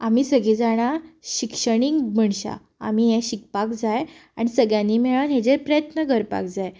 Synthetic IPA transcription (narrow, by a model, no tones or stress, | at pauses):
am̤iːsəɡʱiːd͡zaɽ̃aɕikʂəɽ̃iŋɡm̤əɳɕa̰ | a̰m̤iːɦɛ̃ɕik̚pakd͡zajaɽ̃isəɡjãnːimeɭanɦɛ̃d͡zeɾpɾəjət̪nəɡʱəɾpa̰k̚d͡zaj